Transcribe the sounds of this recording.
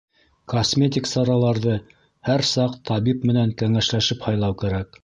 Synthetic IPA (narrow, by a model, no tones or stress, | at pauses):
kosmʲet̪ʲiksɑɾɑlˠɑɾðɤ | hæɾsɑqt̪ʰɑβipmɘ̆næŋkæŋæʃlæʃɘphɑjlˠɑwkæɾæk̚